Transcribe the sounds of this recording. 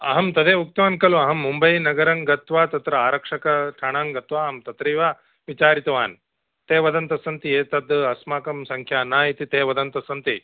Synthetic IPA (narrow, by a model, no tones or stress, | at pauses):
ɐ̰ɦɐmt̪ɐd̪eːuk̚t̪ɐʋaːnkɐluɐɦɐmːumbɐjnɐɡɐɾɐŋɡɐt̪ʋaːt̪ɐt̪ɾɐaːɾɐkʂɐkɐʈʰɐɳaːŋɡɐt̪ʋaːɐɦɐmt̪ɐt̪ɾiːʋaː | ʋit͡ʃaːɾit̪ɐʋaːn | t̪eːʋɐd̪ɐnt̪ɐsɐnt̪ieːt̪ɐd̪ɐsmaːkɐmsɐŋkʰjaːnaːit̪it̪eːʋɐd̪ɐnt̪ɐsɐnt̪i